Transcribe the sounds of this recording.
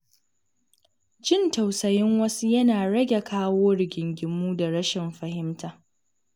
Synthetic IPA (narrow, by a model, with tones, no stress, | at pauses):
d͡ʒɪ˦ntɐ˨wsɐ˨jɪ˦ŋwɐ˦su˦jɐ˦naː˨ɽɐ˦ɡʲe˨kʰaː˦woː˦ɽɪ˨ɡʲɪ˨ŋɡʲɪ˨mːuː˦da˨ɽɐ˦ʃɛ˨mɸɐ˨hɪ˦mtʰaː˨